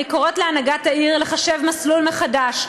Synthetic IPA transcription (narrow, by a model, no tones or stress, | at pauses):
ikoʁo̞t̪leanaɡataiʁle̞χaʃe̞vmaslulmeχadaʃ